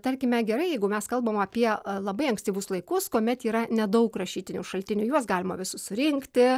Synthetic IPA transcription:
t̪ɐɾʲkʲɪmʲɛɡʲɛɾɐɪjɛɪɡʊmʲɛskɐlˠbɐmɐpʲiɛlˠɐbɐɪɐŋksʲt̪ʲiːʋʊslˠɐɪkʊskuɔmʲɛt̪iːɾɐnʲɛd̪ɐʊkrɐʃʲiːt̪ʲɪnʲuːʃɐlʲt̪ʲɪnʲʊːjuɔsɡɑːlʲɪmɐʋʲɪsʊsʊɾʲɪŋkt̪ʲɪ

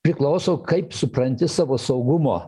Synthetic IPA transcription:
pʲɾʲɪklˠɐʊsoʊkɐɪpsʊpɾɐnʲt̪ʲɪsɑːʋoːsɐʊɡʊmo̰ː

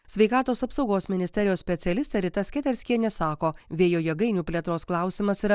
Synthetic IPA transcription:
sʲʋʲɛɪkɑːt̪oːsɐpsɒʊɡoːsmʲɪnʲɪst̪ʲɛɾʲɪjoːssʲpʲɛt̪sʲɛlʲɪst̪ʲɛɾʲɪt̪ɐsʲkʲɛt̪ʲɛɾʲsʲkʲiɛnʲɛsɑːkoːʋʲeːjoːjɛɡɐɪnʲuːpʲlʲiɛt̪ɾoːsklˠɑˑʊsʲɪmɐsiɾɐ

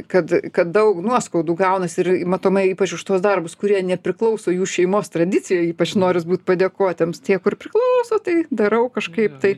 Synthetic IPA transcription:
kɐt̪kɐt̪̚d̪ɐʊknuɔskɐʊd̪uːɡɐʊnɐsɪɾimɐt̪oːmɐɪiːpɐt͡ʃʊʃt̪oːsd̪ɐrbʊskʊɾʲiɛnʲɛpʲɾʲɪklˠɐʊsoːjuːʃʲɛɪmoːst̪ɾɐd̪ʲɪt͡sʲɪjoːiːpɐt͡ʃnoːɾʲɪsbuːt̪pɐd̪ʲeːkoːt̪ʲeɛmst̪ʲiɛkʊrpʲɾʲɪklˠɐʊsoːt̪ɐɪd̪ɐɾɐʊkɐʃkɐɪpt̪ɐɪ

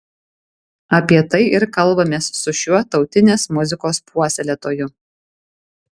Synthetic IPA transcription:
ɐpʲiɛt̪ɐɪʔɪɾkɐlˠˑbɐmʲeːsːʊʃʲuɔt̪ɒʊt̪ʲɪnʲeːsmʊzʲɪkoːspʰuɔsʲɛlʲɛt̪oːjʊ

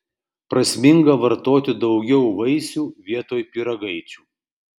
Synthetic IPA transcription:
pɾɐsʲmʲɪŋɡɐʋɐɾt̪oːt̪ʲɪd̪ɒʊɡʲɛʊʋɐɪsʲuːʋʲiɛt̪oːjpʲiɾɐɡɐɪt͡ʃʲuː

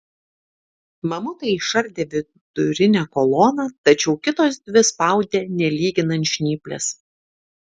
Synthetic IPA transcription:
mɐmʊt̪ɐɪiʃɐɾʲd̪ʲeːʋʲɪ | d̪̥ʊɾʲɪnʲæːkɔlˠoːnɑːt̪ɐt͡ʃʲɛʊkʲɪt̪oːs̬d̪ʲʋʲɪspɑˑʊd̪ʲeːnʲɛlʲiːɡʲɪnɐnʲʃʲnʲiːpʲlʲɛ̰s

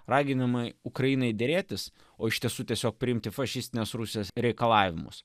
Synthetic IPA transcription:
rɑːɡʲɪnɐmɐɪʊkɾɐjinɐɪd̪ʲeːɾʲeːt̪ʲɪs | oːɪʃt̪ʲiɛsuːt̪ʲiɛsʲoːk̚pʲɾʲɪɪmʲt̪ʲɪfɐʃʲɪsʲt̪ʲɪnʲeːsɾusʲɪɛsɾʲɛɪkɐlˠɑːʋʲɪmʊ̰s

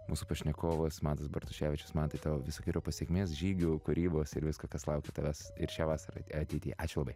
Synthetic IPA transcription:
muːsʊpɐʃʲnʲɛkoːʋosmɑːnt̪ɐsbɐɾt̪ʊʃʲæːʋʲɪt͡ʃʲʊsmɑnt̪ɐɪt̪oʋʲɪsoːkʲɪɾʲoːpɐsʲeɛkʲmʲeːsʒʲiːɡʲuːkʊɾʲiːboːsɪɾʋʲɪskɐkɐslˠɐʊkʲet̪ɐʋʲæsɪɾʃʲaːʋɑːsɐɾɐ̰ɐt̪ʲɛɪt̪ʲiːɑːt͡ʃʲʊlˠɐbɐɪ

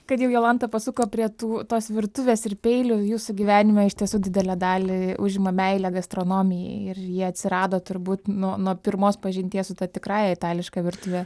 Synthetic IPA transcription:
kɐt̪jɛʊjoːlˠɐnt̪ɐpɐsukoːpʲɾʲiɛt̪uːt̪oːsʋʲɪɾt̪ʊʋʲeːsɪrpʲeɪlʲʊjuːsʊɡʲiʋʲæːnʲɪmʲɛɪʃʲt̪ʲiɛsuːd̪ʲɪd̪ʲɛlʲɛd̪ɑːlʲɪʊʒʲɪmɐmʲɛɪlʲɛɡɐst̪ɾoːnoːmʲɪjɛ̰ɪrjiɛɐt̪ʲsʲɪɾɑːd̪oːt̪ʊɾbuːt̪nuɔnuɔpʲɪɾmoːspɐʒʲɪnʲt̪ʲiɛsʊt̪ɐt̪ʲɪkɾɑːjɛɪt̪ɑːlʲɪʃkɑʋʲɪrt̪ʊʋʲeː

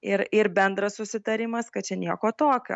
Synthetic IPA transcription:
ɪɾɪɾbʲɛnd̪ɾɐssʊsʲɪt̪ɐɾʲɪmɐskɐt̚t͡ʃʲɛnʲiɛkoːt̪oːkʲo̰ː

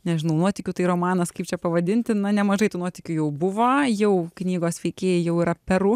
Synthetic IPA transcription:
nʲɛʒʲɪnɐʊnuɔtʲɪkʲut̪ɐɪɾoːmɑːnɐskɐɪp̚t͡ʃʲɛpɐʋɐd̪ʲɪnʲt̪ʲɪnɐnʲɛmɐʒɐɪt̪uːnuɔt̪ʲɪkʲuːjɛʊbʊʋoːjɛʊknʲiːɡoːsʋʲɛɪkʲeːjɛjɛʊiːɾɐpʲɛɾʊː

